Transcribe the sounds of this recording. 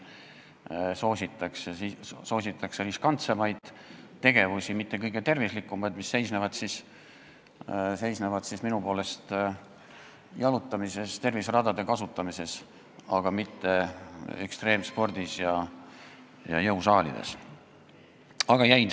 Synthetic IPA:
so̞ːsʲit̪ˑːɑksesiso̞ːsʲit̪ːˑɑkseɾiskɑnt̪semɑjd̪̥ | t̪ːe̞ɡ̥e̞vusʲimit̪ːe̞kɤjɡ̥et̪e̞rvislikːˑumɑjd̪̥misːe̞jsnevɑd̪sis | se̞jsnevɑd̪̥sisminupo̞ːle̞st̪ | jɑlut̪ːˑɑmise̞st̪e̞rvisrɑd̪̥ɑd̪̥e̞kɑsut̪ːˑɑmise̞s | ɑɡ̥ɑmit̪ːe̞ḛkst̪re̞ːmspo̞rd̪̥isjɑ | jɑ̰jɤwsɑːlḭd̪̥e̞̰s | ɑɡ̥ɑjæjn

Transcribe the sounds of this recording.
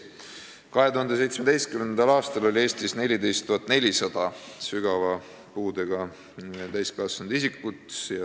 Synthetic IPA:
kɑɦe̞t̪uhɑnd̪̥ese̞jt̪smed̪̥e̞jst̪kymennd̪ɑlɑːst̪ɑlo̞lʲie̞ːst̪isne̞lʲid̪e̞jst̪ːuɦɑt̪ne̞lʲisɑd̪̥ɑsyɡ̥ɑvɑ | puːd̪eɡ̥ɑ | t̪æjskɑsund̪̥isikːut̪ˑsjɑ

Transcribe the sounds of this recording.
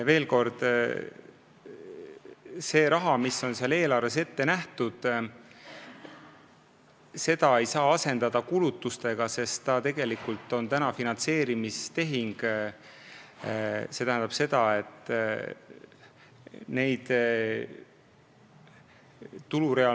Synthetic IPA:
ve̞ːlko̞rd̪̥ | se̞ːɾɑɦɑmisːo̞nseɑle̞ːlɑrve̞s̬e̞t̪ːe̞næht̪ud̪̥ | se̞d̪̥ɑe̞jsɑːɑse̞nd̪̥ɑd̪̥ɑkulut̪ːˑust̪e̞ɡ̥ɑse̞st̪t̪ɑt̪e̞ɡ̥e̞likult̪ːˑo̞nt̪ænɑfinɑnt̪se̞ːɾimist̪e̞ɦiŋɡ̥ | se̞t̪æhænd̪̥ɑb̥se̞d̪̥ɑe̞t̪ːˑ | ne̞jd̪̥ | t̪uluɾe̞ɑ

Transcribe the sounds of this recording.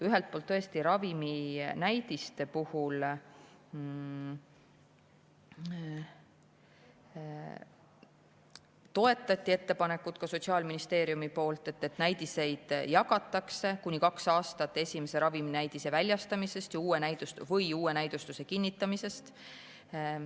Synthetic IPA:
yɦe̞lt̪̚polt̪ːɤest̪iɾɑviminæjd̪̥ist̪e̞puhul | t̪o̞e̞t̪ːˑɑt̪ʲːˑie̞t̪ːe̞pɑne̞kːˑut̪kɑso̞t̪ʲsiɑːlminist̪e̞ːɾjumipo̞ːlt̪ːˑe̞t̪ːe̞t̪næjd̪ise̞jd̪̥jɑɡɑt̪ːˑɑkse̞kunʲikɑksɑːst̪ɑt̪ːˑe̞sʲime̞se̞ɾɑviminæjd̪̥ise̞vælʲjɑst̪ɑmise̞st̪jɑuːe̞næjd̪̥ust̪uvɤjuːe̞næjd̪̥ust̪use̞kinʲːit̪ːˑɑmise̞st̪

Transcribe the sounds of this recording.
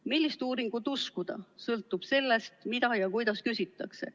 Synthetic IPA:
milːist̪uːɾiŋɡ̥ut̪ːuskud̪̥ɑ̰sɤlt̪ːˑub̥se̞lːe̞st̪mid̪̥ɑjɑkujd̪ɑskysʲit̪ˑːɑkse̞̰

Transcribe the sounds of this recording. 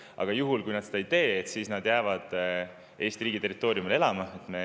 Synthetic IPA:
ɑ̰ɡ̥ɑjuɦulkujnɑd̪̥sed̪ɑeijt̪e̞ːet̪sisnɑd̪jæːvɑd̪̥ | e̞ːst̪iriːɡ̥it̪e̞rit̪ːˑo̞ːɾjumile̞lɑmɑet̪ˑme̞

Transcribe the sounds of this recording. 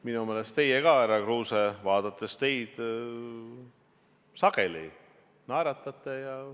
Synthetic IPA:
minume̞ːlest̪e̞jekɑeɾɑkruːsevɑːd̪̥ɑt̪ːˑe̞st̪e̞jd̪̥ | sɑɡ̥e̞lḭ | nɑɾɑt̪ˑːɑt̪ːˑe̞jɑ

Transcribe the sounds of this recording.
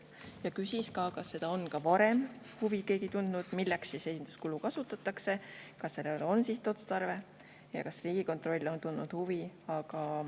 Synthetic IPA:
jɑkysʲiskɑkɑsːe̞d̪ɑo̞nkɑvɑɾe̞m | huvike̞ːɡit̪und̪̥nud̪̥milːeksise̞sʲind̪̥uskulukɑsut̪ːˑɑt̪ːˑɑkse̞kɑsːe̞lelo̞nsist̪ːˑo̞t̪st̪ɑrve̞ | jɑ̰kɑsriːɡ̥iko̞nt̪ˑro̞lʲːo̞nt̪und̪nud̪̥huviɑɡ̥ɑ

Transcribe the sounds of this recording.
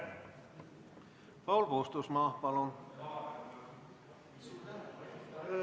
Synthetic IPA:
pɑwlpoːst̪usmɑːpɑlon

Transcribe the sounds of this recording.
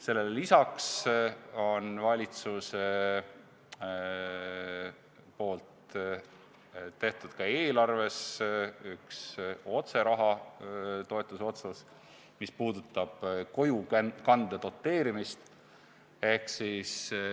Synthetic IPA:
se̞lːellisɑks | o̞nvɑlʲit̪suse | po̞ːlt̪ | t̪ːe̞ht̪ud̪̥kɑe̞ːlɑrve̞sykso̞t̪se̞ɾɑɦɑ | t̪o̞e̞t̪ːˑuso̞t̪sɑs | mispuːd̪̥ut̪ːˑɑb̥ko̞jukɑnd̪̥ed̪̥o̞t̪ːˑe̞ːɾimist̪ | e̞hksis

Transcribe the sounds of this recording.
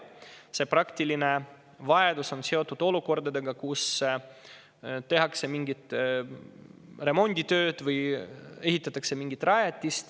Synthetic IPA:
se̞prɑkt̪iline̞ | vɑe̞d̪uso̞nse̞o̞t̪ːˑud̪̥o̞luko̞rd̪ɑd̪eɡɑkus | t̪e̞ɦɑkse̞miŋɡit̪ˑ | re̞mo̞nʲd̪̥ʲit̪ø̞ːd̪̥vɯje̞ɦit̪ːˑɑt̪ːˑɑkse̞miŋɡit̪ːˑrɑjet̪ʲːist̪

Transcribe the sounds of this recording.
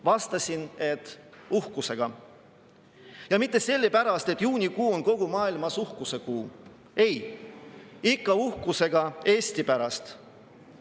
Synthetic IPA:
vɑst̪ɑsine̞t̪ːˑuhkuse̞ɡ̥ɑ | jɑmit̪ˑːe̞se̞lʲːepæɾɑst̪e̞t̪ːˑjuːnʲikuːo̞nko̞ɡ̥umɑːilmɑsuhkuse̞kuː | e̞j | ikːɑuhkuse̞ɡ̥ɑe̞ːsʲt̪ipæɾɑst̪

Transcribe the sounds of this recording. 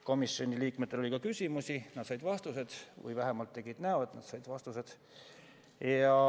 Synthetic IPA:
ko̞misːo̞nʲiliːkmet̪ːˑelolʲikɑkysʲimusʲinɑd̪̥sɑjd̪̥vɑst̪use̞d̪̥vɯ̰jvæɦemɑlt̪ːe̞ɡ̥id̪̥næoet̪nɑd̪sɑjd̪̥vɑst̪use̞d̪̥ | jɑ

